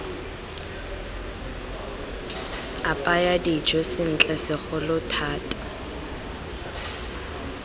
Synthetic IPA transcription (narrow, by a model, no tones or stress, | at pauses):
apʼajadid͡ʒɔsɪn̩t͡ɬʼɛsɪk͡xɔlʊtʰaːtʼḁ